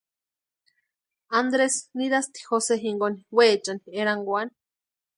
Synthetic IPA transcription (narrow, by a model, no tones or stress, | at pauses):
and̪ɾesniðast̪i̥xoseɦiŋɡoni̥weːt͡ʃanieɾaŋɡwani̥